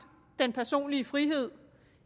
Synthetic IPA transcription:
d̥enpʰæɐso̝̰ːnliəfʁiɦe̝ð̞̰ˠ

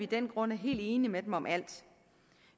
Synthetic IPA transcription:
id̥enɡ̥ʁɔ̽n̰æɐɦe̝̰ːld̥e̝ːnimed̥emɒ̽mʔæl̰d̥

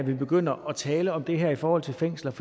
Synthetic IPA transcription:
ʋib̥e̝ɡ̥øn̰ɐʔɒ̽t͡sʰɛːləɒ̽md̥e̝ɦæɐ̰ifɒːhɒ̽l̰t͡sʰe̝lfeŋ̰slɐf

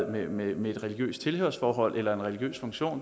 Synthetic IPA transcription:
mememee̝d̥ʁɛliɡ̥jø̰ːsd̥t͡sʰe̝lhø̰ɐsfɒːɦɒ̽l̰ʔelɐe̝nʁɛliɡ̥jø̰ːsfɔ̽ŋɕo̝̰ːn

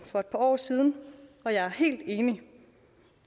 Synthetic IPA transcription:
fɒ̽e̝d̥̚pʰɑ̈ɒ̰ːsiːð̞ˠn̩ɒ̽jɑ̈ɪæɐhe̝̰ːld̥e̝ːni

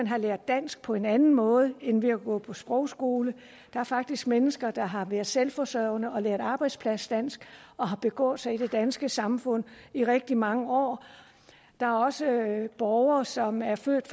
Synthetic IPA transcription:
ænɦɑ̈leɐd̥ːæn̰sɡ̥̚pʰɒ̽e̝nænn̩mɔ̽ːð̞̩ˠəenʋiæɡ̥ɔ̽pʰɒ̽sb̥ʁɒʊsɡ̥o̝ːlə | d̥ɑ̈æɐfɑ̈ɡ̥̚d̥isɡ̥̚menəsɡ̥ɐd̥ɑ̈ɦɑ̈ʋæɐðˠselfɒ̽sœʊnəɒ̽leɐðˠɑ̈ːb̥ɑ̈ɪd̥spʰlæsd̥æn̰sɡ̥ɒ̽ɦɑ̈b̥e̝ɡ̥ɔ̰ːð̩ˠsɑ̈ɪid̥e̝d̥ænsɡ̥əsɑ̈mfɔ̽n̰iʁeɡ̥̚d̥imɑ̈ŋəɒ̰ː | d̥ɑ̈æɐɒ̽səb̥ɒʊɐːsɒ̽mæɐføɐ̰d̥f

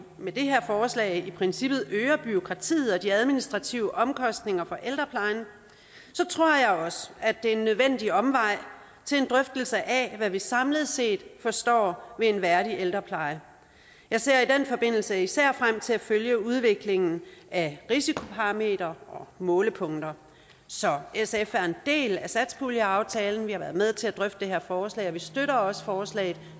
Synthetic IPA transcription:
med̥e̝ɦeɐfɒːslɛ̰ːɪipʰʁɛnsib̥ð̩ˠøːɐb̥yo̝kʰʁɑ̈t͡sʰḭːð̩ˠɒ̽d̥iæð̞ˠminisd̥ʁɑ̈t͡sʰiʊəʔɒ̽mkʰɒ̽sd̥ne̝ŋɐfɒ̽ʔeld̥ʁɐpʰlɑ̈ɪn | sɒ̽t͡sʰʁo̝ɐ̰jɑ̈ɪɒ̽sə̥æd̥e̝enːøðˠʋen̰d̥iɒ̽mʋɑ̈ɪ̰ | t͡sʰe̝le̝nd̥ʁœfd̥əl̩səʔæʋæʋisɑ̈mləð̞̩ˠse̝̰ːd̥fɒ̽sd̥ɒ̰ːʋe̝e̝nʋæɐɾiʔeld̥ʁɐpʰlɑ̈ɪə | jɑ̈ɪse̝ɐ̰id̥enfɒ̽b̥e̝n̰l̩səisæɐ̰fʁam̰t͡sʰe̝læføljəuð̞ˠʋe̝ɡ̥le̝ŋn̩æʁisikʰo̝pʰɑ̈ʁɑme̝̰ːd̥ɐɒ̽mɔ̽ːləpʰɔ̽ŋ̰d̥ɐ | sɒ̽esefæɐe̝nd̥e̝̰ːlæsæd̥sb̥ʰuljæɑ̈ʊt͡sʰɛːln̩ʋihɑ̈ʋæɐðˠmeð̞ˠt͡sʰe̝læd̥ʁœfd̥əd̥ehe̝ɐ̰fɒːslɛ̰ɪɒʋisd̥øɾɐɒ̽sə̥fɒːslɛ̰ːð̩ˠ

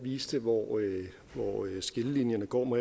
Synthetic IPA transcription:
ʋiːsd̥əʋɒ | ʋɒsɡ̥e̝ləlinjɐnəɡ̥ɒ̰ːme

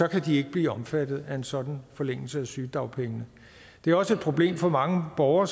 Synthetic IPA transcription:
ɒ̽kʰæd̥ie̝ɡ̥əb̥liːɒ̽mfæd̥ð̞̩ˠæe̝nsɒ̽d̥n̩fɒ̽leŋ̰l̩səæsyːd̥ɑ̈ʊ̰pʰeŋənə | d̥e̝æɐɒ̽səe̝d̥̚pʰʁo̝b̥le̝̰ːmfɒ̽mɑ̈ŋəb̥ɒʊɐ

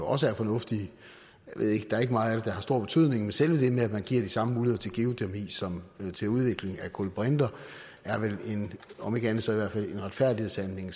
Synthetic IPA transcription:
oʔɒ̽səæɐfɒ̽nɔ̽fd̥i | jæʋe̝ð̰ˠe̝ɡ̥əd̥ɑ̈æɐeɡəmɑ̈ːð̩ˠæɾ̥ed̥ɑ̈hɑ̈sd̥o̝ɐ̰b̥e̝t͡sʰyð̰ˠne̝ŋmenselʋəd̥e̝meædmænɡ̥ḭɐ̰d̥isɑ̈məmuːlihðˠt͡sʰelɡ̥e̝ot͡sʰiɐmḭsɒ̽mt͡sʰe̝uð̞ˠʋe̝ɡ̥le̝ŋækʰolb̥ʁend̥ɐ | æɐʋele̝nɒ̽me̝ɡ̥əænð̩ˠsɒ̽iʋæɐ̰̥fæle̝nʁɑ̈d̥fæɐ̰d̥ihe̝ðˠsænle̝ŋ

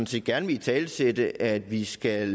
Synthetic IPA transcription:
n̩se̝d̥ɡ̥æɐnəʋe̝lt͡sʰɛːlsed̥əʔæd̥ʋisɡ̥æ

